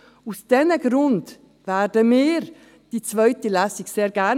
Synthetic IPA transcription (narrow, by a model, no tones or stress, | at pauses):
usd̥ɛnəɡɾʊnd | vædəmeːɾ | d̥iːt͡svœʏtəlæsɪçseːɾɡæ